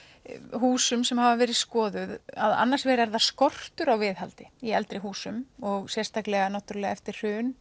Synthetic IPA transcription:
ɦuːsʏmsɛmhavavɛːɾɪðskɔːðʏðaða̰nːaɾsvɛːɾɛɾðaskɔr̥t̪ʏɾawvɪðhalt̪ɪiɛlt̪ɾɪɦuːsʏmɔɣsjɛr̥st̪aklɛɣanawht̪ʏɾalɛɣaɛft̪ɪɾ̥r̥ʏːn

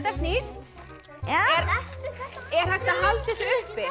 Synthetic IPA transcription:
t̪ast̪nist̪ | ɛɾ | ɛ̥ajht̪aɦalt̪ɪsʏhpɪ

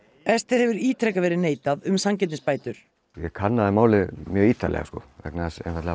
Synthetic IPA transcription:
ɛst̪ɪðhɛvʏɾiːt̪ʰɾɛkavɛːɾɪneːjt̪aðʏmsamcɛt̪ɪspaːjt̪ʏɾ̥ | jɛkʰanːaðɪmaːwlɪmjœːiːt̪alɛ̰ɣa̰skɔ̰vɛ̰knasɛ̰nfat̪ɪ

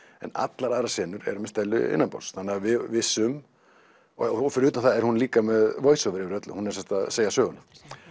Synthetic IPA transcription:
ɛ̰na̰t̪laɾaːɾasɛːnʏɾɛ̰ɾʏmɛst̪ɛlːʏɪ̰nːanpɔ̰lsθanːɪavɪvɪsːʏm | fɪɾːt̪anθaɛɾ̥hunliːkamɛðvoːjsɔvɛɾɪɾœt̪lʏhunɛɾsɛmst̪aseːjasœːɣʏna

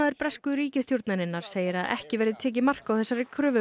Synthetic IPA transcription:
aðɪɾpɾɛskʏɾiːcɪst̪jowɾt̪naɾɪnːaɾ̥seːjɪɾaðɛ̰hcɪvɛɾðɪt̪ʰɛːc̬ɪmar̥kawθɛsːaɾɪkʰɾʏːvʏ

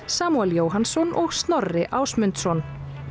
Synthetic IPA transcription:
saːmuɛljoːwɦansɔnʔɔɣst̪nɔrːɪʔaːwsmʏnt̪sɔn

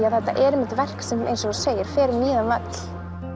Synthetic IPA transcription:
aðθɛht̪ːa̰ʔɛɾɛmɪt̪vɛr̥ksɛmḛjnsɔ̥seːjɪɾ̥fɛːɾɪmiːðanvat̪l̥

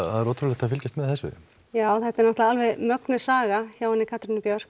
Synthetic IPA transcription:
θaðɛɾɔːt̪ʰɾuɾlɛkt̪aðfɪlcɪst̪mɛðθɛsːʏ̰ | jaːwθɛht̪ɛɾnɔht̪laalvɛðmœknʏsaːɣaçaːwɛnːɪkʰat̪ɾɪnːɪpjœɾ̥k

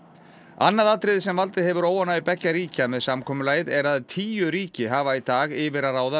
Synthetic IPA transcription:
a̰nːaðaːt̪ɾɪðsɛmvalt̪ɪðɦɛvʏɾoːwanːaðɪpɛcːaɾiːcamɛðsamkʰɔːmʏlaːjɪðɛɾaðt̪ʰiːjʏɾiːcɪɦaːvait̪aːɣɪvɪɾaaːwða

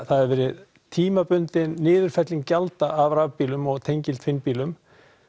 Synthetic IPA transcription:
θaðɛɾvɛːɾɪð | t̪ʰiːmapʏnt̪ɪnːɪːðʏɾ̥fɛt̪lɪŋcalt̪aʔːvravpiːlʏmɔɣt̪ʰejɲcɪlt̪fɪnpiːlʏm

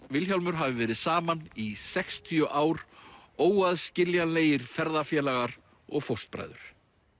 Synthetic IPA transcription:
vɪlçjalmʏɾ̥ɦavɪvɛːɾɪðsaːmanisɛkst̪ʰijœʔaːwɾoːwaðscɪljanleːjɪɾ̥fɛɾðafjɛːlaɣaɾ | ɔɣfowr̥st̪̚pɾa̰jðʏɾ̥

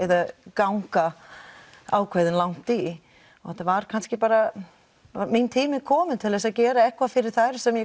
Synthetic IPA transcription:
ɛðakawŋka | aːwkʰvajðɪnlawŋ̥t̪i | ɔɣɛt̪ːavaɾ̥kʰanscɪpaːɾa | mint̪ʰiːmɪkʰɔːmɪnt̪ʰɪlðɛs̬aðcɛːɾaɛhkvafɪɾɪɾ̥θajɾ̥sɛmjɛ

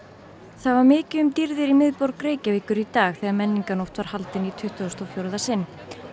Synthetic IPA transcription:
θaðvaɾmɪːcɪʏmt̪iɾðɪɾimɪðpɔwɾkɾeːjcavɪːkʏɾit̪aːɣθɛːɣamɛnːiŋkanowht̪vaɾ̥halt̪ɪnit̪ʰʏht̪ʏɔst̪ɔwfjowɾðasɪnː

